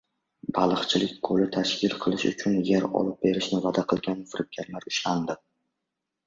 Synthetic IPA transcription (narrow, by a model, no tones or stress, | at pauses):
balˠɨχt͡ʃʰɪlɪk̚ʲqʰolɪt̪ʰaʃkʲɪlˠqʰɨlˠɪʃʊ̰t͡ʃʰʊnjeɾɒ̰lˠɪp̚be̞ɾɪʃnɪvad̪aqʰɨlˠɡʲanfɪɾɪp̚ɡʲaɾlaɾʊʃland̪ɪ